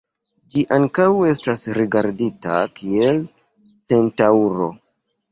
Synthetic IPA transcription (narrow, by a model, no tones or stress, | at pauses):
d͡ʒiʔaŋkawe̞stasɾiɡaɾdita̰kʰie̞l | se̞ntauɾo̞